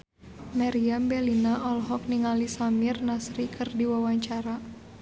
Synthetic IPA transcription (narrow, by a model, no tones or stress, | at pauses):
maɾiambɛlinaʔɔlɦɔk̚niŋalisamirnasɾikʰɨrdiwawaɲt͡ʃaɾa